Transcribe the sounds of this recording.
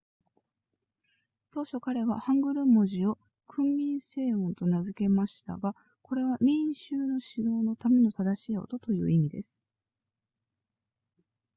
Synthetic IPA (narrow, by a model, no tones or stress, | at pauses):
t̪o̞ːɕo̞kaɾe̞βahãŋɡɯ̟ɾɯ̟mːo̞ʑio̞ | kʰɯ̟̃mːʲĩɰ̃se̞ːõnt̪o̞nazɨke̞maɕi̥t̪a̰ɡa | ko̞ɾe̞β̞amʲĩɕɨːno̞ɕiɾo̞ːno̞t̪ame̞no̞t̪ad̪aɕiːo̞̰t̪o̞t̪o̞jɯ̟̰ːimʲid̪e̞̰sɨ̥